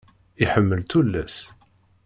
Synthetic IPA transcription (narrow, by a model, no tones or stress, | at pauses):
iɪħəmːəlt̪ulːæs